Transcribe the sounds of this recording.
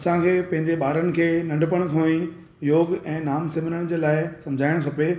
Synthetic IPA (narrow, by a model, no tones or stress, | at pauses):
ɐsãkʰeːpɐ̃ɦɪ̃ɲd͡ʑeɓaːɾənɪ̆kʰeːnɐ̃ɳɖʱpəɽ̃kʰõːĩ | joːɡɛ̃ːnaːmsɪm̤ɪnəɽ̃d͡ʑeːlaːɪsɐ̃md͡ʑʱaːɪɽ̃kʰɐpe